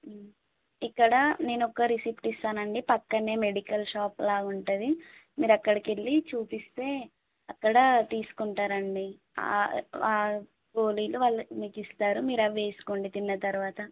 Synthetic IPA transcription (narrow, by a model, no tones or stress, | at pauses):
ikːɐɽɐne̞ːnɔkːɐɾisipʈist̪aːnɐɳɖipɐkːɐne̞ːme̞ɽikɐlʃaːplaːɡuɳʈɐd̪imiːɾɐkːɐɽɐkeɭːit͡ʃuːpist̪e̞ː | ɐkːɐɽɐt̪iːsu̥kuɳʈaːɾɐɳɖi | a̰aː | poːliːluʋaːɭːɐmiːkist̪aːɾumiːɾɐʋe̞ːsu̥koːɳɖit̪inːɐt̪ɐɾuʋaːt̪ɐ